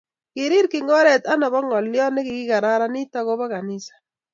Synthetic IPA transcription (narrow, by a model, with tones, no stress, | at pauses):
kɪ˨ɾɪ˦ɾkɪ˨ŋɔ˦ɾɛ˨ta˦na˨bɔ˦ŋɔ˨ljɔ˦nɪ˦kɪ˨ɡɪ˦ka˨ɾa˦ɾa˦nɪ˦ta˦ɣo˦ba˦ka˨nɪ˦sḁ˨